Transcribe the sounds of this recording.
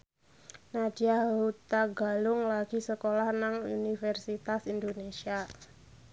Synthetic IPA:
nadiaɦut̪aɡalʊŋlaɡisəkolahnaŋṵnifɛrsit̪asindonesia

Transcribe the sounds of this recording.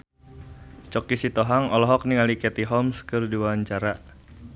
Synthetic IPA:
t͡ʃɔkisit̪ɔɦaŋɔlɔɦɔk̚niŋalikɛt̪iɦɔmskɨrdiwaɲt͡ʃaɾa

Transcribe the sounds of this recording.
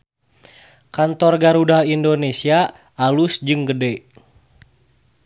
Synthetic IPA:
kant̪ɔrɡaɾudaindonesia | alusd͡ʒɨŋɡədɛ

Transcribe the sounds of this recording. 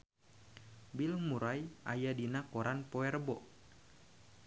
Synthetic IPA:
bilmuɾajʔa̰jadinakoɾanpoɛrbɔʔ

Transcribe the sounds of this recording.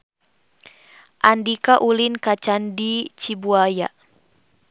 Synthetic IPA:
ʔandikaʔulinkat͡ʃandit͡ʃibuaja̰

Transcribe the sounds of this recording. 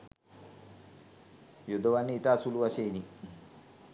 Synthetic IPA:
jod̪oʋanːiit̪aːsuluʋaseːni

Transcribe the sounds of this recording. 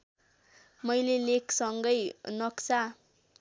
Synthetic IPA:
mʌjlelekʰsʌŋɡʌjnʌkt͡sa

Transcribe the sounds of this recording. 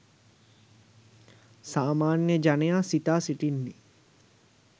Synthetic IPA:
saːmaːnjəd͡ʒanejaːsit̪aːsiʈinːi

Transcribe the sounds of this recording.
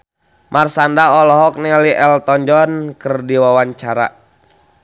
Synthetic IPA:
mʔarsandaɔlɔɦɔk̚niliʔɛlt̪ɔɲd͡ʒɔnkərdiwawaɲt͡ʃaɾa̰

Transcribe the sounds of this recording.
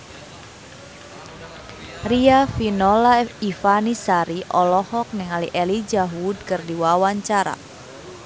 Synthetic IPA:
riafinɔlaifanisaɾiʔɔlɔhɔk̚nɪŋaliʔɛlid͡ʒaɦud̚kərdiwawaɲt͡ʃaɾa̰

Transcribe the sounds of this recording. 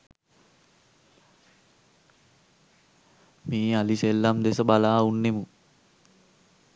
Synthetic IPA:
miːaliselːamd̪esəbalaːunːemu

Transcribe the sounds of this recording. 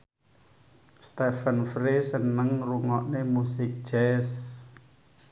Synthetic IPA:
st̪ɛfənfɾesənəŋruŋɔʔnemusɪk̚d̥d͡ʒ̥ɛs

